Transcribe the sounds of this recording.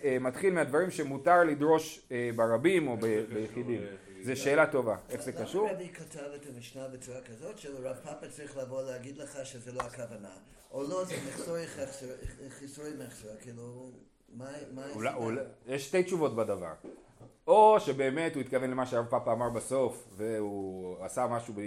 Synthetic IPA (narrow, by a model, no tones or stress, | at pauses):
ematχilmead̪vaʁimʃemutaʁlidʁo̞ʃebaʁabimo̞bebejeχidim | zeʃe̞ːlato̞vaeχzekaʃuʁdikatʰavetamiʃnabet͡suʁakazotʃelʁavpapat͡sʁiχlavoleaɡidləχaʃezeloakavana | olozɛmeχsoχaχsoχisomeχsokilu | mamaulauljeʃːte̞jtt͡ʃuvo̞tbadava̰ʁ | o̞ʃebe̞ːme̞thuit̪̚kavenlemaʃeʁavpapaːmaʁbaso̞fveuasamaʃube